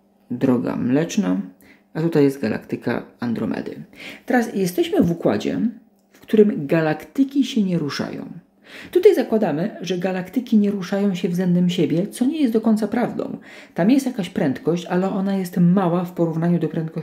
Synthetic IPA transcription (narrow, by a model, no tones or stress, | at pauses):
d̪ɾɔɡa̰mlɛt͡ʂna | at̪ut̪ajːɛst̪ɡala̰kt̪ɘka̰and̪ɾɔ̰mɛ̰d̪ɘ̰t̪ɛɾasjɛst̪ɛɕmɘvukwa̰d͡ʑɛ̰ | fkt̪uɾɘmɡalakt̪ɘkʲiɕɛɲɛɾuʂa̰jɔ̰̃w̃ | t̪ut̪ajzakwad̪amɘʐɛɡalakt̪ɘkʲiɲɛɾuʂajɔ̃w̃ɕɛvzɛnd̪ɛmɕɛbʲjɛt̪sɔɲɛjɛst̪d̪ɔkɔɲʲt̪sapɾavd̪ɔ̰̃w̃ | t̪amjɛst̪jakaɕpɾɛnt̪kɔɕt͡ɕalɛʔɔnajɛst̪mawafpɔɾuvnaɲud̪ɔpɾɛ̃nt̪̚kɔ